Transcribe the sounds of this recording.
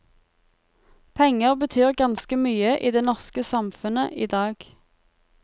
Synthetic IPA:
pʰɛŋəʁbət̪ʰyːʁɡɑnskəmyːəʔiːd̪eːnɔʁskəsɑmfʉnə̰ʔiːd̪ɑːɡ̥

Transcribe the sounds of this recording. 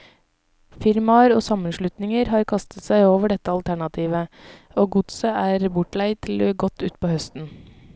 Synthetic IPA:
fɪɾmɑɾoːsɑmənʃlʉt̪nɪŋəɾhɑːɾkʰɑst̪ə̥t̪sæɪoːʋəɖɛt̪əɑlt̪ʰæɳɑt̪ʰiːʋə | oːɡʊt̪səæːɾbʊʈlæɪt̪ʰɪlɡɔt̪ʉːt̪̚pʰoːhœst̪n̩

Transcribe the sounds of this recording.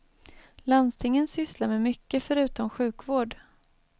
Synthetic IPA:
lanst̪ʰɪŋːənsʏslaɾmɛmʏkːəfœɾʉ̟ːt̪ɔmɧʉ̟ːkvoːɖ

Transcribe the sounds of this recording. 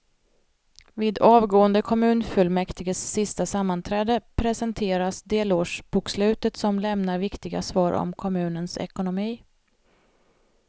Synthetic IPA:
viːd̪ɑːvɡoːənd̪əkʰɔmʉ̟ːnfɵlmɛkt̪ɪɡəsːɪst̪asamːant̪ʰɾɛːd̪əpʰɾɛsənt̪ʰeːɾasd̪eːloːʂb̥ukslʉ̟ːt̪ət̪sɔmlɛmnaɾvɪkt̪ɪɡa̰svɑːɾɔ̰mkʰɔmʉ̟ːnənsɛ̰kʊnʊmiː

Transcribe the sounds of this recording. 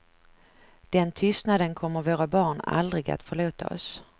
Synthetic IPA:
d̪̥ɛnt̪ʰʏst̪nad̪ənkʰɔmːəɾvoːɾabɑːɳa̰ld̪ɾɪɡa̰t̪fœɭoːt̪a̰ɔ̰s

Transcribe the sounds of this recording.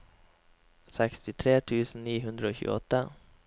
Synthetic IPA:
sɛkst̪ɪt̪ʰɾeːt̪ʰʉːsn̩niːɦʉnd̪ɾəoːçʉ̰ːɔ̰t̪ːə

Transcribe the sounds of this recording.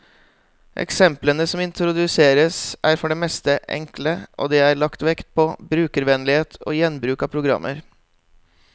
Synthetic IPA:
ʔɛ̰ksɛmplənəsɔmɪnt̪ɾʊd̪ʉseːɾəsʔæːɾfɔɖeːmɛst̪əʔɛ̰ŋkləʔo̰ːd̪ɛːæɾɭɑkt̪ʋɛkt̪̚pʰɔːbɾʉːkəɾʋɛnlɪheːt̪ʰo̰ːjɛnbɾʉːkɑːpʰɾʊɡɾɑ̰mːʔə̰ɾ

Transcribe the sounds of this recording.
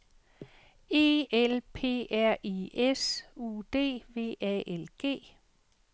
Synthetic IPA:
e̝̰ːelpʰe̝̰ːæɐ̰ʔiesṵːd̥e̝̰ːʋe̝̰ːɛʔelɡ̥e̝̰ː

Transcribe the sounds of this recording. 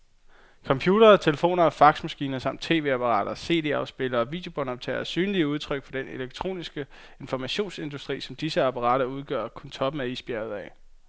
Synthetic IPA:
kʰɒ̽mpʰjuːɾ̥ɐːt͡sʰe̝ləfo̝̰ːnɐɒ̽fɑ̈ɡ̥smæsɡ̥ḭːnɐsɑ̈m̰d̥t͡sʰe̝̰ːʋe̝ːæpʰɑ̈ʁɑ̰̈ːd̥ɐse̝̰ːd̥e̝ɑ̈ʊsb̥e̝lɐːʋḭːd̥e̝o̝b̥ɒnɒ̽b̥̚t͡sʰɛ̰ːɐæsyːnəliəuð̞ˠt͡sʰʁœɡ̥fɒ̽d̥ene̝leɡ̥̚t͡sʰʁo̝̰ːnisɡ̥ə | e̝nfɒmæɕo̝̰ːnse̝nd̥usd̥ʁḭːsɒ̽md̥isəɑpʰɑ̈ʁɑ̰̈ːɾ̥ɐuð̞ˠɡ̥ɶɐ̰kʰunt͡sʰɒ̽b̥əmeisb̥jæɐð̩ˠɛ

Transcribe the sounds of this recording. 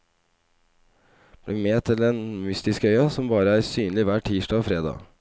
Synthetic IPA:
b̥lɪmeːt̪ʰɪleːnmʏst̪ɪskœʏɑsɔmbɑːɾəæːɾsyːnlɪʋæːʈʰiːʂʈɑːfɾeːd̪ɑ̰ː

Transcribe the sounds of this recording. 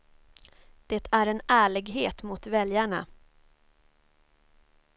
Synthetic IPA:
d̪̥eːt̪ʰæɾɛnæːɭɪɡɦeːt̪mʊt̪vɛljaɳa̰

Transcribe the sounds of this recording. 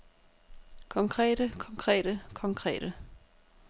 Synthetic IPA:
kʰɒ̽ŋkʰʁɛ̰ːɾ̥əkʰɒ̽ŋkʰʁɛ̰ːɾəkʰɒ̽ŋkʰʁɛ̰ːɾ̥ə

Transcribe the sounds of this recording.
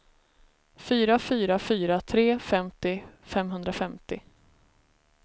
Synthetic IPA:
fyːɾafyːɾafyːɾat̪ʰɾeːfɛmt̪ɪfɛmɦɵnd̪ɾafɛmt̪ɪ

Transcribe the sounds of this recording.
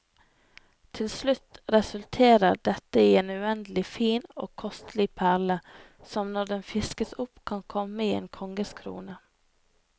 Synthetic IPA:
t̪ʰɪlslʉt̪ɾɛsʉlt̪ʰeːɾəɾɖ̪ɛt̪əiːeːnʉɛnd̪lɪfiːnoːkʰɔst̪lɪpʰæʁlə | sɔmnɔd̪ɛnfɪskəsʊpkʰɑnkʰɔməiːḛːnkʰɔŋɡəskʰɾṵːnə

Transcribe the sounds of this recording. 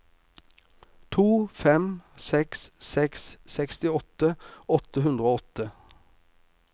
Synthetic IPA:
t̪ʰuːfɛmsɛkssɛkssɛkst̪ɪɔt̪əɔt̪əhʉnd̪ʁəoːɔt̪ə

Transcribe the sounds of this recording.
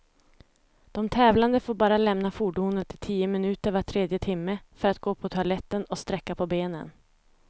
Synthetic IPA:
d̪̥ɔmt̪ʰɛːvland̪əfoːɾbɑːɾalɛmnafuːɖuːnət̪ʰɪt̪ʰiːəmɪnʉ̟ːt̪əɾvaʈʰɾeːd̪jət̪ʰɪmːəfœɾat̪̚ɡoːpʰɔt̪ʰʊalɛt̪ːənɔst̪ɾɛkːapʰɔbeːnə̰n

